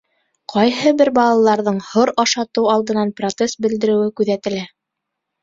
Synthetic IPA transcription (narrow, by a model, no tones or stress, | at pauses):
qʰɑjɦɤbɘɾbɑlˠɑlˠɑɾðɤɴhoɾɑʃɑt̪ɤwɑlˠd̪ɤ̆nɑnprot̪sest̪̚bɘ̆ld̪ɘ̆ɾɘ̆wɘkʉðæt̪ɘ̆læ